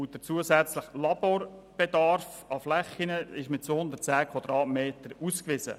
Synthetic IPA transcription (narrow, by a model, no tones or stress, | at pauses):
utət͡suəzæt͡sləχlɑboːɾb̥ɛdɑɾfɑflɛχːinəɪʃmɪt̚t͡sohʊndərtt͡sæːkʰwɑd̥ɾɑːtmeːt̪əɾuskʋɪsə̰